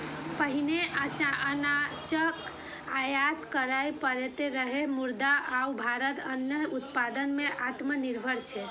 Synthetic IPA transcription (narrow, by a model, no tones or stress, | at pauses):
pəɦineʔət͡ʃanat͡ʃək | ajat̪kəɾajpəɾet̪eɾəɦemuɾd̪aʔaubʱaɾət̪ənjəɦut̪pad̪ənmeʔat̪məniɾbʱəɾt͡ʃʰɛ